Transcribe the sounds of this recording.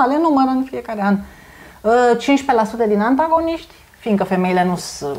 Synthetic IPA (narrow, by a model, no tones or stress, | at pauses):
alenuməɾəɨnfie̞kaɾean | ət͡ʃinʃʲpelasut̪əd̪inant̪̬aɡo̞niʃt̪ʲ | find̪kəfe̞me̞jile̞nus